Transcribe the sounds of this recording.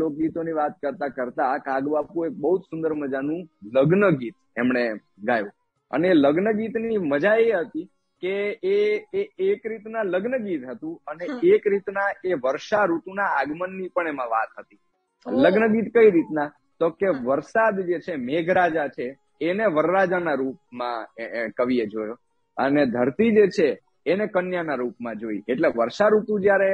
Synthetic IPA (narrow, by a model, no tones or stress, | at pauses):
lok̚ɡit̪oniʋat̪̚kəɾt̪akəɾt̪akaɡbapũek̚bəɦud͡ʒ̪sʊnd̪əɾməd͡ʒanũləɡnəɡit̪̚emɳe | ɡajṵ̃ | ə̰neːləɡnəɡit̪niməd͡ʒaeɦət̪i | keeeekɾit̪nãləɡnəɡit̪ɦət̪ũəneekɾit̪naeʋəɾʃaɾut̪unaaɡmənːipəɳemãʋat̪ɦət̪i | ləɡnəɡit̪kəiɾit̪na | t̪okeʋəɾsad̪d͡ʒet͡ʃʰemeɡʱɾad͡ʒat͡ʃʰeː | neʋəɾːad͡ʒanaɾup̚mãkəʋied͡ʒojo | əned̪ʱəɾt̪id͡ʒet͡ʃʰeː | nekənjanaɾupmãd͡ʒoḭeʈleʋəɾʃaɾut̪ũd͡ʒjaɾe